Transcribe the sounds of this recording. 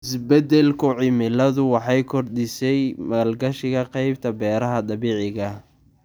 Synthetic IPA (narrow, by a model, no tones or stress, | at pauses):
ɪsbɛd̪ɛlkʰʊʕɪmɪlɐðʊwɑħɑjkʰɔrd̪ɪsɛjmɐlɡɐʃɪɣɐqɑjb̚t̪ʰɐbɛːɾɐɦɐd̪ɑβiːʕɪɣɐ